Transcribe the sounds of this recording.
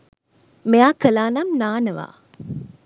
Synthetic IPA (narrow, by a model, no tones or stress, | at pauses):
meaːkəlaːnamnaːnəʋa̰ː